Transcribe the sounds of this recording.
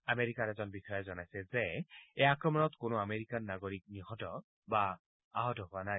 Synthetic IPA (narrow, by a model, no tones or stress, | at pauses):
ameɹikaɹɛzɔnbixɔjɔzɔnajsɛzɛɛjakɹɔmɔnɔtkʊnʊameɹikanːaɡoɹik̚niɦɔtɔ | ba | aɦɔtɔɦʊwanaj